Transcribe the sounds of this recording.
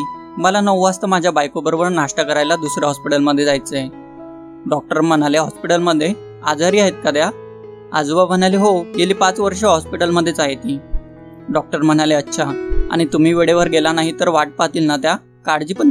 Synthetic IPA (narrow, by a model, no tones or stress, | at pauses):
məlanəʋast̪əmad͡ʑʱjabajkobəɾobəɾnaʂʈəkəɾajlad̪usɾjaɦɔspiʈəlməd̪ʱːjed͡zajt͡səe | ɖɔk̚ʈəɾm̤ənaleɦɔspiʈəlməd̪ʱːje | ad͡zaɾiːaɦet̪̚kad̪ja | a̰d͡zuʋab̤ənaliɦoɡeliːpat͡sʋəɾʂəɦɔspiʈəlməd̪ʱːjet͡sajet̪i | ɖɔk̚ʈəɾməɳ̃aleətːɕʰaa̰ɽ̃it̪um̤iːʋeɽeʋəɾɡelanaɦit̪əɾʋaʈ̚pat̪iːlnat̪ja | kaɽd͡ʑiːpəɳ